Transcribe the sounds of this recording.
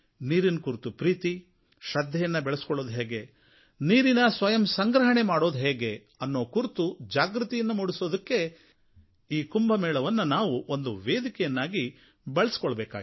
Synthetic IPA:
niːɾinkuɾt̪upɾiːt̪i | ʃɐd̪ʱːɛjɐnːɐbɛɭesi̥kɔɭːoːd̪ɦeːɡe̞ | niːɾinɐsʋɐjɐmsɐŋɡɾɐɦɐɳemaːɽo̞ːd̪ɦeːɡe̞ | ɐnːo̞ːkuɾt̪ud͡ʒaːɡɾut̪ijɐnːɐmuɽiso̞ːd̪ɐkːe̞ | iːkumbɐmɛːɭɐʋɐnːunaːʋuʔond̪uʋeːd̪ikɛjɐnːaːɡi | beɭɐsi̥kɔɭɐbɛːka̰ːɡ

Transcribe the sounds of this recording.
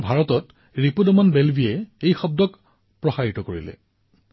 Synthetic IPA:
bʱaɹɔtɔt | ɹipudɔmɔnbelbʱijɛejxɔb̚dɔk | pɹɔxaɹitɔkoɹḭlɛ̰

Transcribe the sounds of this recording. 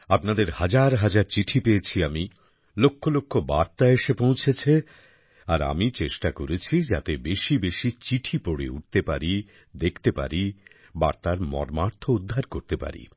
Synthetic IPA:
apnad̪eɾhad͡ʑaɾɦad͡ʑaɾt͡ɕiʈʰipejet͡ɕʰiami | lokʰːolokʰːobaɾt̪aeʃepõw̃t͡ɕʰet͡ɕʰe | aɾa̰mit͡ɕeʃʈakoɾet͡ɕʰid͡ʑat̪ebeʃibeʃit͡ɕiʈʰipoɽḛuʈ̚t̪epa̰ɾi | d̪ekʰt̪epa̰ɾi | ba̰ɾt̪aɾmɔ̰ɾmaɾt̪ʰoud̪ʱːaɾkoɾt̪epa̰ɾḭ

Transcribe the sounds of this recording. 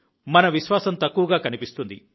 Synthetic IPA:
mɐnɐʋiʃʋaːsɐmt̪ɐkːuʋɐɡaːkɐnipist̪und̪ḭ

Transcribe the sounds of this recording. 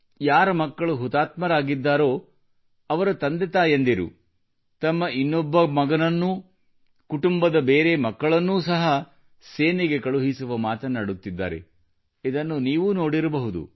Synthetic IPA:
jaːɾɐmɐkːɐɭuɦut̪aːt̪mɐɾaːɡid̪ːaːɾo̞ː | ɐʋɐɾut̪ɐnd̪et̪aːjend̪iɾṵ | t̪ɐmːɐʔinːɔbːɐmɐɡɐnɐnːu | kuʈumbɐd̪ɐbeːɾemɐkːɐɭɐnːuːsɐɦɐ | seːniɡe̞kɐɭuɦisuʋɐmaːt̪ɐnːɐɽut̪ːid̪ːa̰ːɾe̞̰ | id̪ɐnːuniːʋuno̞ːɽiɾɐbɐɦud̪ṵ

